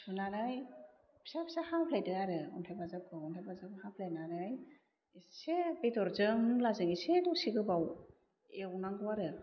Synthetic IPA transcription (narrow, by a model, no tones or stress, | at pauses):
sunaɾaj | pʰi̥sapi̥sahampʰlajdɯaɾɯuntʰajbazap̚kʰɯuntʰajbazakɯhapʰlajnaɾaj | isebedɔɾzɯŋlazɯŋisedɔsiɡɯbaw | ewnaŋɡɯaɾɯ